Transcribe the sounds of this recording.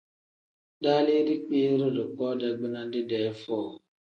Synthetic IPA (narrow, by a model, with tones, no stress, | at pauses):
daː˦le˦ɾi˦k͡pi˦ɾɪ˦dʊ˨kɔː˦da˨ɡ͡bɪ˦na˦dɪ˦dɛ˨˦fɔː˦˨